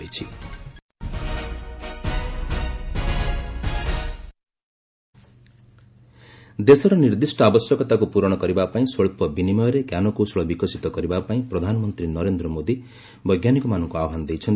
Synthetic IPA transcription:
it͡ʃʰi | d̪esɔɾɔniɾd̪isʈɔabɔsjɔkɔt̪akupuɾɔɽ̃ɔkɔɾibapaĩsoɭpɔbinimɔjɔɾekjanɔkosɔɭɔbikɔsit̪ɔkɔɾibapaĩpɾɔd̪ʱanɔmɔnt̪ɾinɔɾend̪ɾɔmod̪i | bʌjɡjanikɔmanɔŋkuaɔɦanɔd̪ejt͡ʃʰɔn

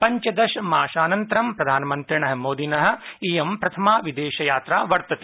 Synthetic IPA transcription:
pɐɲt͡ʃɐd̪ɐʃɐmaːʃaːnɐnt̪ɐɾɐmpɾɐd̪ʱaːnɐmɐnt̪ɾiɳɐɦɐ̆moːd̪inɐɦɐ̆ijɐmpɾɐt̪ʰɐmaːʋid̪eːʃɐjaːt̪ɾaːʋɐɾt̪ɐt̪e

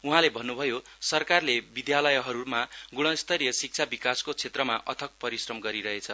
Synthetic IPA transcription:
uɦãlebʱʌnːubʱʌjo | sʌrkarlebid̪jalʌjɦʌɾumaɡuɽ̃ʌst̪ʌɾijʌsik̚t͡sʰabikaskot͡sʰet̪rʌmaʔʌ̰t̪ʰʌk̚pʌɾisrʌmɡʌɾiɾʌɦet͡sʰʌ

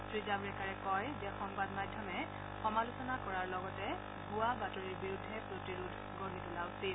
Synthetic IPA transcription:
tɹizabɹɛkaɹɛkɔjdɛxɔŋbadmadʱjɔmɛ | xɔmalusɔnakɔɹaɹlɔɡɔtɛ | ɡuwabatɔɹiɹbiɹudʱːɛpɹotiɹudʱɡonitulaʊsil

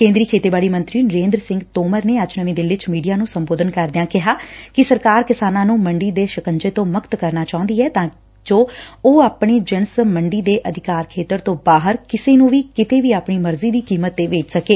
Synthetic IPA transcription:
kẽːnd̪ɾiːkʰeːt̪eːbaːɽiːmə̃nt̪ɾiːnəɾẽːnd̪ɾəsɪ̃ŋɡt̪oːməɾneːəd͡ʒnəʋĩːd̪ɪlʋɪt͡ʃmiːɖijaːnũːsəmboːd̪ənkəɾd̪ɪjãːkɪɦaːkɪsəɾkaːɾkɪsaːnãːnũːməɳɖiːd̪eːʃəkəɲd͡ʒeːt̪õːmʊkt̪kəɾnaːt͡ʃaːʊ̃nd̪iːɛːt̪ãː | d͡ʒoːoːaːpɳiːd͡ʒənsməɳɖiːd̪eːʔəd̪ʱɪkaːɾkʰeːt̪əɾt̪õːbaːɦəɾkɪseːnũːʋiːkɪt̪eːʋiːaːpɳiːməɾziːd̪iːkiːmət̪ːeːʋeːt͡ʃsəkeː

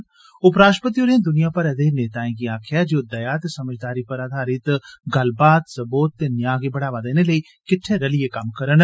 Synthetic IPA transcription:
ʊpɾaːʃʈpət̪ioːɾeãd̪ʊnijãːpəɾɛd̪eːneːt̪aːẽkiaːkʰɪjaːd͡ʒoːd̪ɐjaːt̪esəməd͡ʒd̪aːɾipəɾaːd̪ʱaːɾɪt̪ɡəlbaːt̪səboːt̪ːeːnjãːɡebəɽaːʋad̪eːneləiː | kɪʈʰːeɾəliekɐmkəɾən

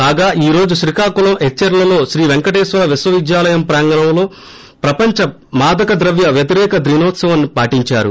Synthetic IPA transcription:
aːɡaːʔiːɾo̞ːd͡ʒuʃɾikaːkulɐmɦet͡ʃːɐɾlɐlo̞ːʃɾiːʋeŋkɐʈɛːsʋɐlɐʋisʋɐʋid̪jaːlɐjɐmpɾaːŋɡɐnɐmlo̞ː | pɾɐpɐɲt͡ʃɐ | maːd̪ɐkɐd̪ɾɐʋjɐʋjɐt̪iɾɛːkɐd̪ɾinɔːt̪sɐʋɐnːipaːʈiɲt͡ʃaːɾṵ

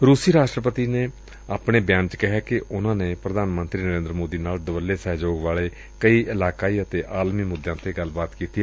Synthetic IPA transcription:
ɾuːsiːɾaːʃʈɾəpət̪iːneː | aːpɳeːbjãːnt͡ʃkɪɦɛːkɪʔʊnãːneːpɾəd̪aːnmənt̪ɾiːnəɾẽːnd̪ɾəmoːd̪iːnaːld̪əʋəleːsɛːd͡ʒoːɡʋaːleː | kəiːʔɪlaːkaːiːət̪eːʔaːlmiːmʊd̪jãːt̪eːɡəlbaːt̪kiːt̪iː

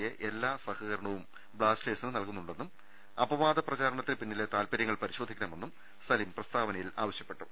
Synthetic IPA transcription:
jeʔelːaːsʋɐkɐɣɐɾɐɳɐʋum | bɭaːsʈe̞ːʈsinɨnɐlkunːuɳɖe̞nːum | ɐbɐʋaːd̪ɐprɐt͡ɕaːɾɐɳɐt̪ːilpinːilet̪aːlpɐɾjɐŋːɐɭpɐɾiɕo̞ːd̪ʱikʲːɐɳɐme̞nːum | sɐlimprɐst̪aːʋɐnɐjilaːʋɐɕjɐpːe̞ʈːu

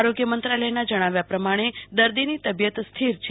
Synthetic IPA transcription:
aɾoɡjəmənt̪ɾaləjnad͡ʒəɽ̃aʋjapɾəmaɽ̃ed̪əɾd̪init̪əbjət̪st̪ʰiɾt͡ʃʰ

